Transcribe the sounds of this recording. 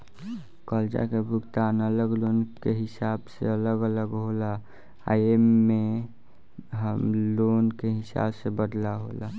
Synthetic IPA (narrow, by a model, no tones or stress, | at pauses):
kɔːld͡ʒa̰kebʱʊɡt̪aːnələɡloːnkeɦɪsaːbsḛələɡələɡɦola | aemːe | ɦəmloːnkeɦɪsa̰ːbsebəd̪laɦo̰la